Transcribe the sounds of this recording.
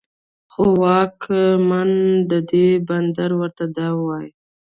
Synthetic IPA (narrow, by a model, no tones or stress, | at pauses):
xowɑkʰmand̪əd̪eband̪aɾwəɾt̪ad̪ɑwɑj